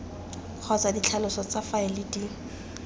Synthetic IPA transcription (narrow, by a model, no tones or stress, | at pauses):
k͡xʰɔt͡sadit͡ɬʰalʊsɔt͡safaɪlɪdi